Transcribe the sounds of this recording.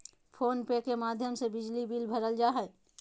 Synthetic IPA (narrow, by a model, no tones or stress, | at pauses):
pʰoːnpekemaːd̪ʱjəmsebɪd͡ʒlibilbʱəɾəld͡ʒaɦɛ